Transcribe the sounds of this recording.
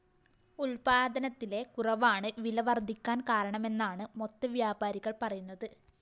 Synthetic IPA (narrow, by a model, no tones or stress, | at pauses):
ulpaːd̪ʱɐnɐt̪ːile̞kurɐʋaːɳɨʋilɐʋɐrd̪ʱikʲːaːnkaːɾɐɳɐme̞nːaːɳɨmo̞t̪ːɐʋjaːbaːɾiɣɐɭpɐrɐjunːɐðɨ